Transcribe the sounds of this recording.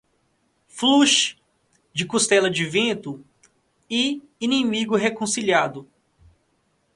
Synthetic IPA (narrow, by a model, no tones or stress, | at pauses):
fluʃ | d͡ʒɪkust̪ɛlɐd͡ʒɪvẽt̪ʊ | ɪ | inĩmiɡʊɦekõsiliad̪ʊ